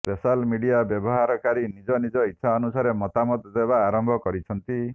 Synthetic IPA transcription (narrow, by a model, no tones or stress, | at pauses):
pesalmiɖijabjɔbɔɦaɾɔkaɾinid͡ʒɔnid͡ʒɔit̪ːʃʰaɔnusaɾemɔt̪amɔt̪d̪ebaːɾɔmbʱɔkɔɾit͡ʃʰɔnt̪i